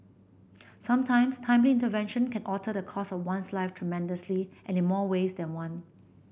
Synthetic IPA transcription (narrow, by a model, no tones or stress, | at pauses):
sãmtʰãɪ̃mstʰãɪ̃mliɪ̃ntəvɛ̃nʃə̃nkʰɛ̃nʔɔtʰədəkʰɔsɔfwãnslaɪftʰɹ̥ɛmɛ̃ndəsliʔɛ̃nɪ̃nmɔwesdɛ̃nwãn